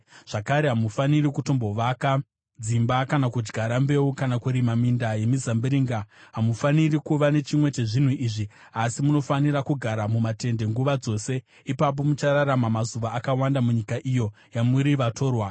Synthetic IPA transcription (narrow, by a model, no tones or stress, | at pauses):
ʐ̥akaɾe̞ɦamufanirikuto̞mbo̞ʋaka | d͡zimbakanakud͡ʒɡʱaɾambe̞ukanakuɾimamindaje̞mizambiɾiːŋɡaɦamufanirikuʋane̞t͡ʃimwe̞t͡ʃe̞ʐin̤uʔiːʐi | asimuno̞fanirakuɡʱaɾamumate̞nde̞ŋɡuʋad͡zo̞se̞ | ipap̬o̞mut͡ʃaɾaɾamamazuʋaʔːkawandamuɲikaʔijo̞ | jamuɾiʋato̞ːrwa